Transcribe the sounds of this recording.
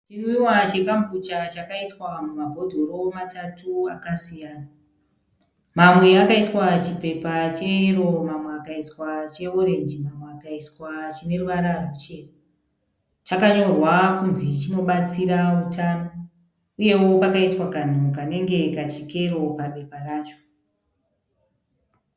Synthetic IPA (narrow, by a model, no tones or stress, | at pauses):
t͡ʃirwiwat͡ʃe̞kambʱut͡ʃat͡ʃakaiswamumabʱo̞dʱo̞ɾo̞matʰatua̰kasijaːna | mamwe̞akaiswat͡ʃipe̞pat͡ʃero̞mamweakaiswat͡ʃe̞oɾe̞nd͡ʒimamweakaiswat͡ʃine̞ruʋaɾarut͡ʃe̞na | t͡ʃakaɲo̞rwakunzit͡ʃino̞ɓat͡siɾautʰano | uje̞wo̞pakaiswakan̤ukane̞ŋɡe̞kat͡ʃike̞ɾo̞pape̞paraːt͡ʃo